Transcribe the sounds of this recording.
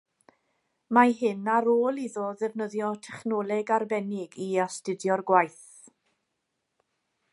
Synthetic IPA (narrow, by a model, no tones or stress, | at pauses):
maɦɪnaɾoːlˠiðɔðɛvnəðjɔtʰɛχnɔːlˠɛɡarbɛnɪɡiastɨdjɔrɡwajθ